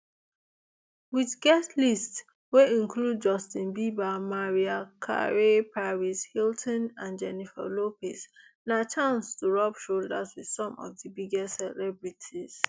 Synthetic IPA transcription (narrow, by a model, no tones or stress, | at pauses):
wiðɡɛstlists | weĩnkʰlud̚d͡ʒɔstĩnbibamaɹiakʰa̰ɹepʰaɹishiltʰɔ̃nãnd͡ʒɛnifɛ̰lopisnat͡ʃʰãnstuɹɔpʃoldəzwið̥sɔ̃mɔ̰vðəbiɡɛstsɛlɛbɹitʰiz̥